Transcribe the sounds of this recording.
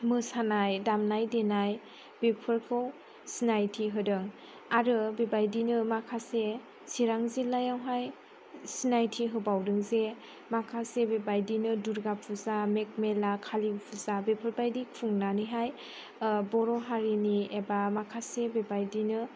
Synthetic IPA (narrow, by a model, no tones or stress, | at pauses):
mɯsanajdamnajdenaj | bepʰɯɾkʰɯw | sinajtʰiɦɯdɯŋ | aɾɯbebajdinɯmakʰase | siɾaŋzilːajawɦaj | sinajtʰiɦɯbawdɯŋze | makʰasebebajdinɯduɾɡapʰuzamek̚melakʰalipʰuzabepʰɯɾbajdikʰuŋnaniɦaj | bɔɾɔɦaɾiniebamakʰasebebajdinɯ